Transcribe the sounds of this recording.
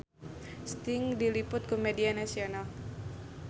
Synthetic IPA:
st̪ɪŋdilipʊt̪̚komedianasional

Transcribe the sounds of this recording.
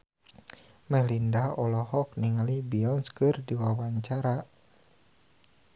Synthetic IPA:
mɛlindaɔlɔhɔk̚niŋalibiɔnskɨrdiwawaɲt͡ʃaɾa

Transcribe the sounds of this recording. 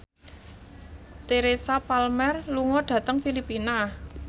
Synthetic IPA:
t̪eɾesapalmɛrluŋɔɖ̥ä̤t̪əŋfilipina

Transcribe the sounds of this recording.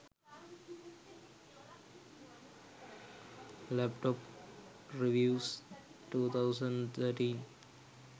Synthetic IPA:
læpʈɔːp | ɾiʋjuːs | ʈuːt̪ʰaʊsə̃ɳɖt̪ʰəɾʈĩːn

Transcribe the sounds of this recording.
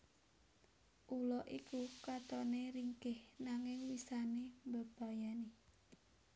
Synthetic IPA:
ʔulɔʔikukat̪ɔneɾiŋkɪhnaŋɪŋwisanembəb̥a̤jane

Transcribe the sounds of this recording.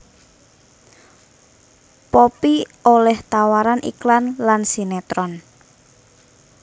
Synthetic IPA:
pɔpiolɛht̪awaɾanʔḭklanlansinet̪ɾɔn

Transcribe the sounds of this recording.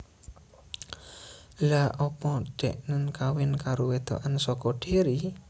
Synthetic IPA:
laʔɔpɔɖ̪̥ɛ̰ʔnənkawɪnkaɾowed̪̥o̰ʔansɔkɔɖ̥eɾi

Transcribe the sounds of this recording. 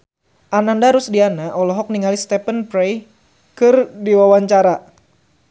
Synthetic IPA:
ʔanandaɾʊsdianaʔɔlɔɦɔk̚niŋalist̪ɛpənpɾej | kɨrdiwawaɲt͡ʃaɾa

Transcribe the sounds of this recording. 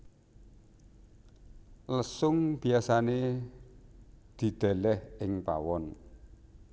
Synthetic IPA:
ləsʊŋb̥i̤asane | d̪̥i̤d̪̥ɛ̤lɛhɪŋpa̰wɔn

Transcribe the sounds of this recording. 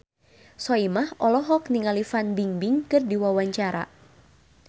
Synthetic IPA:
sɔimahʔɔlɔɦɔkniŋalifanbiŋbɪŋkɨrdiwawaɲt͡ʃaɾa̰

